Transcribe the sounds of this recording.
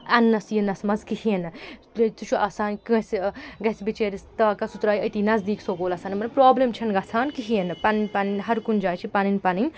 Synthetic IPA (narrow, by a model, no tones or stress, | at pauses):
ɐnːɐsjinɐsmɐzkihienɨ | t̪ut͡ʃʰuʔaːsaːnkɐ̃sɡɐsbit͡ʃeːɾist̪ɐːkɐsut̪ɾaːjɐt̪iːnɐzd̪iːksoːɡoːlɐsaːnmɐnpɾaːblemt͡ʃʰɐnɡɐsʰaːnkiɦienɨpɐninpɐninɦɐɾkund͡ʒaːt͡ʃʰipɐninpɐni